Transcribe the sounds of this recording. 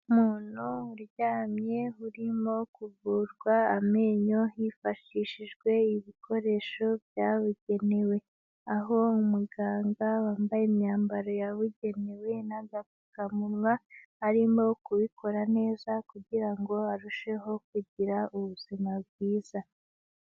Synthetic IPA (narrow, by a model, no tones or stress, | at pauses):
muːnuɾɟaːmɲe̞ɦuɾimo̞kuvuːɾɡwaːmeːɲo̞hifaʃiʃiʒɡwe̞iβikʰo̞ɾe̞ʃo̞bjaːβuɟe̞ne̞we̞ | aɦo̞umuɡaːŋɡawaːmbajemɲaːmbaɾo̞jaβuɟe̞ne̞we̞naɡakukamunŋwahaɾimo̞kuβikʰo̞ɾane̞ːzakuɟiɾaŋɡo̞aɾuʃe̞ɦo̞k̚uɟiɾauβuz̥imab̚ɡiːza